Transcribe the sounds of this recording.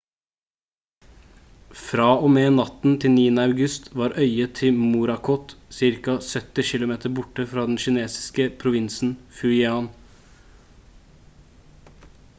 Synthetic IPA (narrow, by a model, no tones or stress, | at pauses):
fɾɑːoːmeːnɑt̪n̩t̪ʰɪlniːənəɑʉɡʉst̪ʋɑːɾœʏət̪ʰɪmuɾɑkʰɔt̪sɪɾkɑsœt̪ɪʃɪlʊmeːt̪əɾbʊʈəfɾɑːd̪ɛnʃɪneːsɪ̥skəpʰɾʊʋɪnsn̩fʉɪɑːn